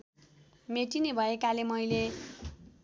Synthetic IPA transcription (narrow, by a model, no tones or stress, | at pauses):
meʈinebʱʌekalemʌjle